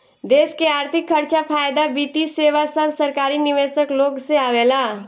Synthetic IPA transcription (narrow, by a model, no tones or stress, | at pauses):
d̪eːʃkeaːɾt̪ʰɪkʰːəɾt͡ʃapʰaːjd̪abiːt̪iseːʋasəbsəɾkaːɾinɪʋeːsəkloːɡseaːʋeːlaː